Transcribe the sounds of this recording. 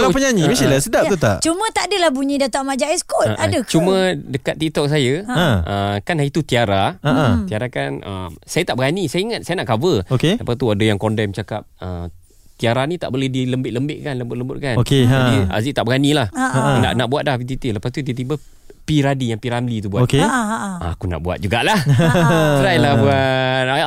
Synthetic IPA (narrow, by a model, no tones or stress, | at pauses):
lapəɲaɲĩmisilasədaʔt̪ut̪aʔt͡ʃumə̃t̪adəlahbuɲidat̪aʔmad͡ʒaʔɛskɔaadəkt͡ʃumə̃dəkat̪ːit̪ɔk̚s̬ajaãəkanait̪ut̪iaɾaaʔãt̪iaɾakanə̰msajat̪aʔbəɡanisajaiŋat̪̚sajənaʔkavəokeləpast̪uadajaŋkɔndɛmt͡ʃakap̚ə | t̪iaɾanit̪a̰ʔbolɛhdiləmbɪʔ̚ləmbɪʔ̚kanləmbʊt̪̚ləmbʊt̪̚kanokeaia̰ziʔt̪aʔbəɡanilahana̰ʔnaʔbuat̪̚dahpit̪̬it̪iləpast̪ut̪̬it̪ibə | piɾadijaŋpiɾamlit̪̬ubuaokea̰akuna̰ʔbua̰t̪̚d͡ʒuɡaʔlah | əɾalabuat̪